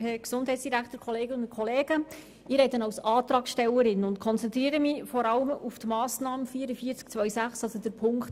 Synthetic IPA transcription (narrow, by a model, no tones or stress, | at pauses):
hɛksʊndhɛɪt͡ssd̥iɾæktəɾkʰχɔleːɡənʊkʰɔleːɡ̥ə | ɪːɾɛɪdənɑwsɑːtɾɑːksʃtɛləɾɪnʊntkʰɔnt͡sɛnt̪ɾiːɾəmifɔɾɑləmuftmɑːsnɑːməfiːəɾəfiːəɾt͡sk̚t͡sʋœʏsæχsɑlsodəɾpʰʊŋkt